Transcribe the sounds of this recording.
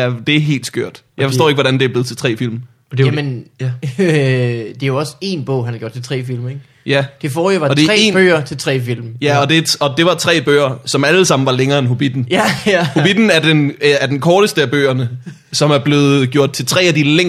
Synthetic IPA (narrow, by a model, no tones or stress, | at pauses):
æd̥e̝æɐɦe̝̰ːld̥sɡ̥øɐ̰d̥jɑ̈ɪfɒsd̥o̰ːe̝ɡ̥ʋɒɾ̥ænd̥eɐble̝ð̩ˠt͡sʰe̝lt͡sʰʁɛ̰ːfil̰m | d̥emenæ | d̥e̝joɒ̽se̝nb̥ɔ̰ʊ̰ɦænhæɡ̥jo̰dt͡sʰel̥t͡sʰʁɛ̰ːfil̰meɡ̥ | jæd̥e̝fɔːoʋɑ̈d̥ʁɛ̰enb̥ø̰ːɐt͡sʰe̝lt͡sʰʁɛ̰ːfil̰mjæɒ̽d̥e̝ɒ̽d̥e̝ʋɑ̈t͡sʰʁɛ̰ːb̥ø̰ːɐsɒ̽mæləsɑ̈m̰n̩ʋɑ̈leŋɐːenɦob̥id̥n̩hob̥id̥n̩æɐd̥enæɐd̥enkʰɒːɾ̥əsd̥əæb̥ø̰ːɐnə | sɒ̽mæɐb̥le̝ːð̩ˠɡ̥jo̝̰ɐ̰d̥̚t͡sʰe̝lt͡sʰʁɛ̰ːæd̥ileŋ